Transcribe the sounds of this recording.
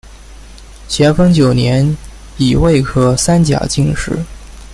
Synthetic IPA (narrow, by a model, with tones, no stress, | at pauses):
t͡ɕʰjɛ˧˥nfɤ˥ŋt͡ɕjo˨˩ʊnjɛ˧˥n | i˨˩we˥˩ɪkʰɤ˥sa˥nt͡ɕja̰˨˩t͡ɕi˥˧ŋʂɻ̩˥˩